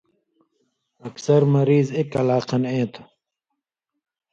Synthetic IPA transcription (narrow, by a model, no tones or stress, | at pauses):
ɐksɐɾmɐɾiːzekɐlaːqʰɐnẽːt̪ʰ